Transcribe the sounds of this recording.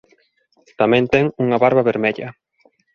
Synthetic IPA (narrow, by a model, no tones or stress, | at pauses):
t̪amɛ̃nt̪ɛŋuŋɐβaɾβɐβeɾmeʎɐ